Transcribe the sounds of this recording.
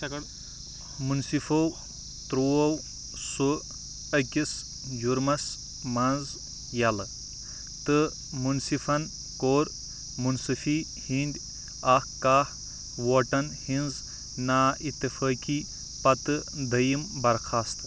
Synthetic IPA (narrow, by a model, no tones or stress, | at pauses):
munsifow | t̪ɾoːɐw | su | ɐkʲis | d͡ʒuɾmɐs | mɐnz | jɐlɨ | t̪ɨ | munsifɐn | koːɾ | munsɨfi | hind̪ʲ | ahkaːh | woːʈɐnhinz | naːit̪ːɐfɐːki | pɐt̪ɨd̪ɐjimbɐɾkʰaːst̪ɨ